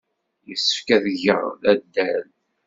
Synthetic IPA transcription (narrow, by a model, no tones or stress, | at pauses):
jəsːə̥fkæðəʝə̰ɾæd̪ːæl